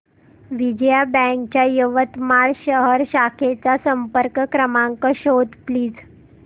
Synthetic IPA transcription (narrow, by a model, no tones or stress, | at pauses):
ʋid͡ʑjabɛ̃ŋk̚t͡ɕjajəʋət̪maɭɕəɦəɾɕakʰet͡sasəmpəɾkəkɾəmaŋkəɕod̪pliːd͡z